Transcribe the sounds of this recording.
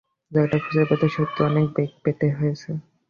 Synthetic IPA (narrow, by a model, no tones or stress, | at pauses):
d͡ʑɔʈakʰud͡ʑeɾbet̪eʃot̪ːeɔnek̚bek̚peʈeɦojet͡ɕʰe